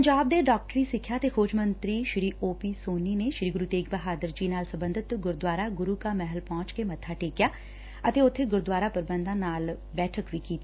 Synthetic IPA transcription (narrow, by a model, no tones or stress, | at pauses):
pəɲd͡ʒaːb̚d̪eːɖaːk̚ʈɾiːsɪkʰːjaːt̪eːkʰoːd͡ʒmənt̪ɾiːʃɾiːʔoːpiːsoːniːneʃɾiːɡʊɾuːt̪eːkbəɦaːd̪əɾd͡ʒiːnaːlsə̃mbə̃nd̪ʱɪt̪ɡʊɾd̪waːɾaːɡʊɾuːkaːmɛɦəlpɔ̃ːt͡ʃkemət̪ʰːaːʈeːkjaː | ət̪eːʊt̪ʰːeːɡʊɾd̪waːɾapəɾbə̃nd̪ãːnaːl | bɛːʈʰəkʋiːkiːt̪iː